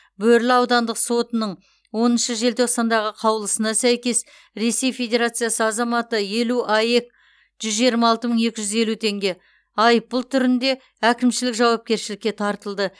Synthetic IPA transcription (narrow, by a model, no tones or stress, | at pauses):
bɵɾlɪɑwd̪ɑnd̪əqso̞t̪ənəɴ | wo̞nənʃəʒe̞lt̪ʰo̞qsɑnd̪ɑʁəqʰɑwəlˠəsənɑsæjkʲe̞s | ɾe̞se̞jfe̞d̪ʲe̞ɾat̪sɨjasəɑzɑmɑt̪əje̞luʔɑje̞k | ʒ̥ʏzʒijɾmɑːlˠt̪əməɴe̞kʲɪʒʏze̞lut̪ʰe̞ŋɡʲe̞ | ɑjp̚bʊlˠt̪ʰʏɾɪnd̪e̞ | ækʲɪmʃɪlɪkʒɑwɑp̚kʲe̞ɾʃɪlɪkʲːe̞t̪ʰɑɾt̪əlˠd̪ə